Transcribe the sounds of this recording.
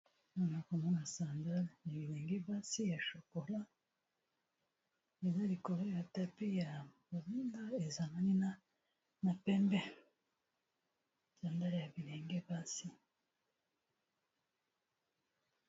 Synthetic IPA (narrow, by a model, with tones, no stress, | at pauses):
na˦na˨ko˨mo˦na˨saː˨nda˦lja˨βi˨ɾeː˨ŋɡe˦ba˦si˦ja˨ʃo˨ko˨la˦ | e˨za˦ɾi˨ko˨ɾe˦ja˨ta˨pi˦ja˨ba˨zi˦nda˦e˨za˨na˦ni˦na˦ | na˨pe˦mbe˦ | saː˨nda˦ɾeja˨βiɾeː˨ŋɡe˦ba˦si˦